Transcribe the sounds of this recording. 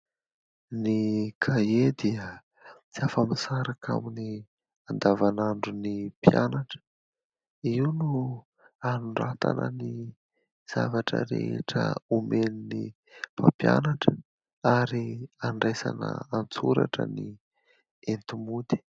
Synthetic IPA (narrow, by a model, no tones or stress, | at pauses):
nikʰaed̪iə | t͡siafəmisaɾakʰa̰mini | and̪avanaɳɖ͡ʐunipjanaʈ͡ʂə̥ | iunu | anuɳɖ͡ʐat̪anəni | z̥a̰vaʈ͡ʂə̰ɾḛʈ͡ʂəumenini | papjanaʈ͡ʂə̥ | aɾiaɳɖ͡ʐajsa̰nə̰ant͡suɾa̰ʈ͡ʂə̰ni | ent̪umud̪i̥